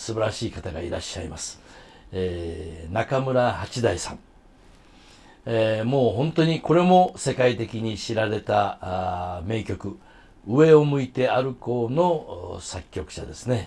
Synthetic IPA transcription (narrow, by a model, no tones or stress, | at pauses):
sɨbaɾaɕiːkat̪aɡa̰ḭɾa̰ɕːaimasɨ̥ | enakamɯ̟ɾahat͡ɕid̪aisã̰ŋ | mo̞ːɦõ̞nt̪o̞ɲ̟iko̞ɾe̞mo̞se̞kait̪e̞kʲiɲ̟iɕiɾaɾe̞t̪a | me̞ːkʲo̞kɯ̟ | ɯ̟e̞o̞mɯ̟it̪e̞aɾɯ̟ko̞ːno̞sakʲːo̞kɯ̟̥ɕa̰d̪e̞sɨne̞